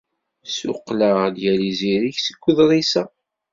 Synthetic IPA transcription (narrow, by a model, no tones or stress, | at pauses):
sʊ̰qːlad̪jæliziɾiçsə̥ɡʷːʊðɾˤisæ